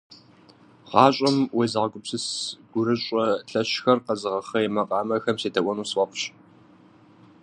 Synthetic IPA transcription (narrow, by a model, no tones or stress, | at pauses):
ʁɑːɕʼɐmweːzɨʁɐɡʷʼʊpsɨsɡ̥ʷʊɾɨɕʷʼɔɬɐɕxɐrqɐzɨʁɐxɐjemɐqʼɑːmɐxɐmseːdɐwʷʔʷɔnuːswʷɔqʷɕ